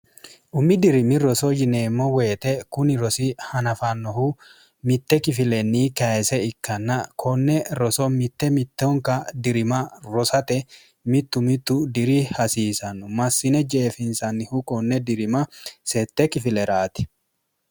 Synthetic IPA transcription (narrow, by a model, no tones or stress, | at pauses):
ʔʊmːɪd̪ɪɾɪmɪɾɔsɔd͡ʒɪneːmːɔweːt̪ɛkʊnɪɾɔsɪhɐnɐfɐnːɔhu | mɪt̪ːɛkɪfɪlɛnːiːkɐsɛɪkːɐnːɐkʰɔnːɛɾɔsɔmɪt̪ːɛmɪt̪ːɔŋkɐd̪ɪɾɪmɐɾɔsɐt̪ɛ | mɪt̪ːʊmɪt̪ːʊd̪ɪɾɪhɐsiːsɐnːʊmɐsːɪnɛd͡ʒeːfɪnsɐnːɪhukʼɔnːɛd̪ɪɾɪmɐsɛt̪ːɛkɪfɪlɛɾaːt̪ɪ̥